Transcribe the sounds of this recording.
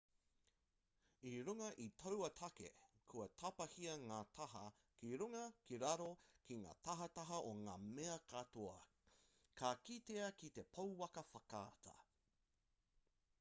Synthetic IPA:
iɾuŋɐʔitʰɐwɐtʰɐkḛkʰuɐt̪ʰɐpɐhiɐŋaːt̪ʰɐɦɐ | kiɾuŋɐkiɾɐɾokiŋa̰ːt̪ɐɦɐtɐɦɐʔoŋaːmeɐkat̪oɐ | kʰakit̪eɐkit̪e̞pʰɐwwɐkɐfɐkaːt̪ʰɐ̰

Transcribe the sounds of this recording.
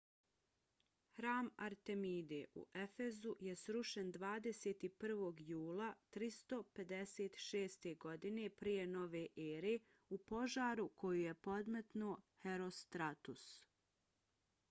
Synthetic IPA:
hɾaːmaɾt̪e̞miːd̪eʔṵʔe̞fe̞zujesɾuʃend̪ʋaːd̪e̞seːt̪ipr̩ʋo̞ːɡjuːlat̪ɾist̪o̞pe̞d̪e̞seːt̪ʃeːst̪e̞ɡo̞d̪ine̞pɾije̞no̞ʋe̞ːʔeːɾe̞ | upo̞ʒaːɾukʰo̞juje̞po̞d̪met̪noːheɾo̞st̪ɾat̪us

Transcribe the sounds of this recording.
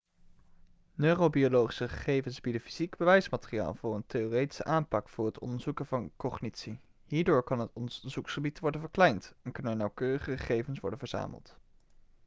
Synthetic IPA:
nørowbiolowχi̥səχə̥χejvənzbidəfiz̥iɡbəʋɛjsmatərija̰ːlˠvʊːɹənteoːrejti̥sə̰ʔaːmpɑkfʊːɹɦətɔ̰ndəɹzukənvɑnkɔχnitsi | ɦiːɹdoːɹkɑnɦətɔndəəɹzuksχəbitʋɔɹdənvəɹklɛjntɛnkɵnənɑwkøːrəχəχəχejvənsʋɔ̰ɹdənvəɹza̰ːmʔə̰lˠt

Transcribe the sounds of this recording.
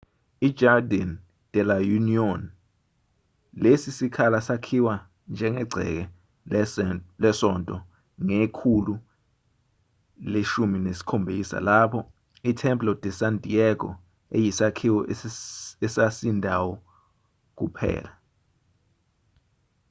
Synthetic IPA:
i̥d͡ʒardan | d̥ʱɛlajuniɔn | lesisikʰalasakʰiwa | nd͡ʒʱɛŋɛɡ͡ǀʱɛ̰k̬ɛ | lɛsɔntʼɔ | ŋekʰulu | leʃuminesi̥kʰombʱisa̰lapʰɔ | itʰɛmplɔdʱʼɛsantʼiɛk̬ɔ̰ | ḛjisakʰiwɔ | ɛsasindʱawɔ | k̬upʰɛ̰ːla

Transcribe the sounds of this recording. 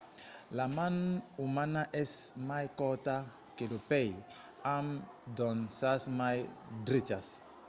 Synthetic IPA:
lamãnumanaʔɛsmajkɔt̪a | kelopɛj | amd̪ɔnsasmajd̪ɾit͡ʃas

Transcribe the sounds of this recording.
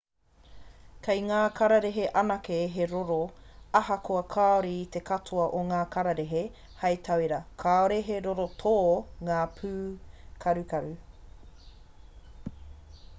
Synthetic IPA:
kʰɐjŋaːkʰɐɾɐɾeɦeʔɐnɐkeɦeɾoɾoɐɦɐkoɐkʰaoɾit̪ekɐtʰuɐʔoŋaːkʰɐɾɐɾeɦe | hɐjtʰɐwiɾɐkʰaoɾeɦeɾoɾotʰoːŋaːpʰʉːkʰɐɾʉkɐɾʉ

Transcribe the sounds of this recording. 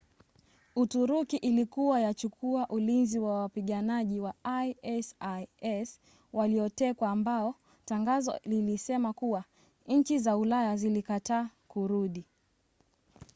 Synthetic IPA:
utuɾukiʔilikuwajat͡ʃukʰuaʔulinziwawapiɠanaʄiwaajɛsaɛs | waliɔtɛkwaːmbaɔ | taŋɡazɔ̰lilisɛmakuwa | ɲ̩t͡ʃizaulajazilikataːkuɾuɗi

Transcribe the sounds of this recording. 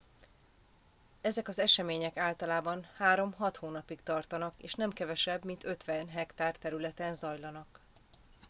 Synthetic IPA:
ɛzɛkɒzɛʃɛmeːɲɛkaːlt̪ɒlaːbɒnhaːɾo̞mɦɒt̪hoːnɒpikt̪ɒrt̪ɒnɒkeːʃnɛmkɛvɛʃɛbmint̪ø̞t̪ʋɛnɦɛkt̪aːrt̪ɛɾylɛt̪ɛnzɒjlɒnɒk

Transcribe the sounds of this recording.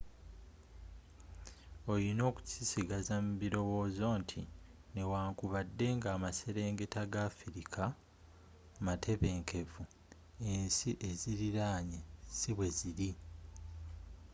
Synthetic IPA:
o̞jino̞ːku̥sisiɡazamuβiɾo̞wo̞ːzo̞ːntʰine̞waːŋkuβadːe̞ŋɡaːmase̞ɾe̞ːŋɡe̞taɡafiɾikʰa | matʰe̞βe̞ːŋke̞vu | e̞ːnsiʔe̞ziɾiɾaːɲesiβwe̞ziɾi

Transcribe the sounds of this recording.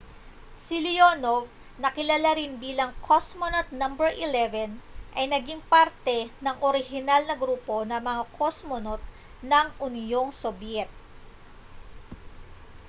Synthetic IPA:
sɪlɪjonov | nɐkɪlɐlaɾɪnbiːlɐŋkʰosmonot̪̚nɐmbɛɹʔɪlɛvɛnʔɐjnɐɡiŋpaɾt̪ɛnɐŋʔoɾɪhɪnalnɐɡɾuːpo̞nɐmɐŋakʰosmonot̪̚ | nɐŋʔʊnjo̞ŋsobjɛt̪̚

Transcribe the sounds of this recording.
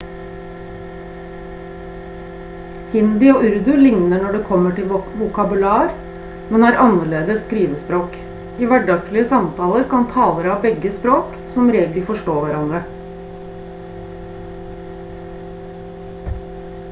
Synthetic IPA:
hɪnd̪ɪoːʔʉɾd̪ʉlɪŋnəɳɔɖeːkʰɔmːəʈɪlʋʊkɑbʉlɑːɾ | mɛnæːɾʔɑnəɭeːd̪əskɾiːʋəspɾoːk | iːʋæɖɑk̚t̪lɪəsɑmt̪ʰɑːləɾkɑnt̪ʰɑːləɾɑːbɛɡəspɾoːk | sɔmɾeːɡl̩fɔʂʈoːʋæɾɑnd̪ɾə

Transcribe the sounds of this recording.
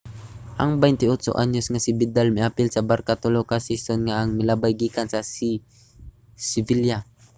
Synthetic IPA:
ʔaŋbɛjnt̪ɪott͡ʃo̰ʔa̰ɲosŋasɪbɪd̪almɪʔaːpɪlsɐbaɾkat̪olokasisonŋaʔːŋmɪlabajɡiːkansɐsi | sɪvilja

